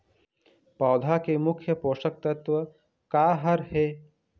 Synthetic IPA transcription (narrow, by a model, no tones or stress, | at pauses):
pɔːd̪ʱakemʊkʰjəpoːʃək̚t̪ɐt̪ʋə | kaːɦɐɾheː